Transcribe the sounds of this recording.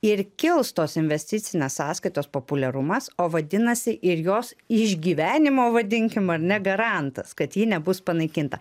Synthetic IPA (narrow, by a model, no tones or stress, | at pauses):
ɪɾkʲɪlˠst̪oːsɪnʲʋʲɛsʲt̪ʲɪt̪sʲɪnʲeːssɑːskɐɪt̪oːspoːpʊlʲɛɾʊmɐsoːʋɐd̪ʲɪnɐsʲɪʔɪɾjoːsɪʒʲɡʲiːʋʲæːnʲɪmoːʋɐd̪ʲɪŋʲkʲɪmɐɾnʲɛɡɐɾɑˑnt̪ɐskɐt̪jiːnʲɛbʊspɐnɐɪkʲɪnt̪ɐ